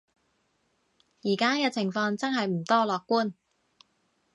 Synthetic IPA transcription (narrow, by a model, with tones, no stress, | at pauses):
jiː˨˩kaː˥kɛː˧t͡sʰɪ˨˩ŋfɔː˧ŋt͡sɐ˥nhɐ˨jm̩˨˩t̪ɔː˥lɔː˨kːuː˥˩n